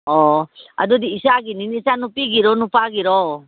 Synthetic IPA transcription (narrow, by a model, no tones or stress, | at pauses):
ɔa̰dud̪iːsaɡininisanupiɡiɾɔnupaɡiɾɔ